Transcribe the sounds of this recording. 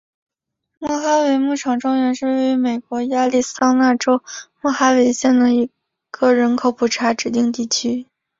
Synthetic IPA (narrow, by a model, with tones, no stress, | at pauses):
mwɔ˥˩xa˥we˧˥ɪmu˥˩ʈ͡ʂʰɑ˨˩ŋʈ͡ʂʊ˥ŋɥɛ˧˥nʂɻ̩˥˧we˥˩y˧˥me˨˩ɪkwɔ˧˥ja˥li˥˩sɑ˥ŋna˥˩ʈ͡ʂo˥ʊmwɔ˥˩xa˥we˧˥ɪɕjɛ˥˩nd̪ə˩i˧˥ | ɡ̥ə˥˧ɻə˧˥nkʰo˨˧˥ʊpʰu˨˩ʈ͡ʂʰa˧˥ʈ͡ʂɻ̩˨˩t̪i˥˧ŋt̪̬i˥˩t͡ɕʰy˥